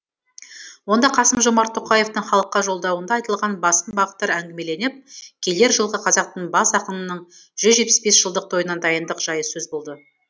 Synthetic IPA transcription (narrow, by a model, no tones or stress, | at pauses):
wo̞nd̪ɑqʰɑsəmʒo̞mɑɾt̪ʰːoqɑje̞ft̪əɴχɑlˠəqːɑʒo̞lˠd̪ɑwənd̪ɑːjt̪əlˠʁɑnbɑsənbɑʁət̪ːɑɾæŋɡʲɪme̞le̞nɪp̚kʲʰe̞le̞ɾʒəlˠʁəqʰɑzɑq̚t̪əɴbɑsɑqənənəɴ | ʒ̥ʏzʒet̚pɪsbe̞sʒ̥əlˠd̪əq̚t̪ʰo̞jənɑnd̪ɑjənd̪əqʒ̥ɑjəsɵzbo̞lˠd̪ə